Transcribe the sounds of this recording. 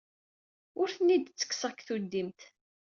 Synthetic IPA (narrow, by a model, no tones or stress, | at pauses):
ʊɾθənːid̪t͡sːə̥kːsəʁkθud̪ːimt̪